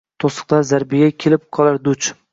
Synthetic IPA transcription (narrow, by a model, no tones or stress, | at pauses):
t̪ʰosɨ̥qlˠaɾzaɾbɪjʲakʲʰe̞lɪp̚qʰɒlˠaɾd̪ʊt͡ʃ